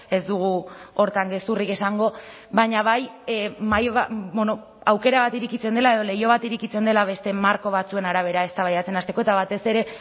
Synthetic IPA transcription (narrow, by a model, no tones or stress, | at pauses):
e̞zd̪uɣ̞uo̞ɾt̪aŋɡe̞surike̞saŋɡo̞ | βaɲaβajmajβbono̞ | awke̞ɾaβat̪iɾikit͡se̞nd̪e̞lae̞ð̞o̞le̞jo̞β̞at̪iɾikit͡se̞nd̪e̞laβ̞e̞st̪e̞maɾko̞β̞at͡sue̞naɾaβ̞e̞ɾae̞st̪aβajat͡se̞nast̪e̞koet̪aβ̞at̪e̞se̞ɾe̞